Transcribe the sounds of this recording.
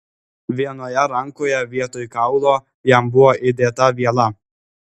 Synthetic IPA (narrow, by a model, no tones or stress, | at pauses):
ʋʲiɛnoːjɛɾɐŋkoːjɛʋʲiɛt̪oːjkɑʊlˠoː | jæmbʊʋoːʔɪd̪ʲeːt̪ɐʋʲiɛlˠɐ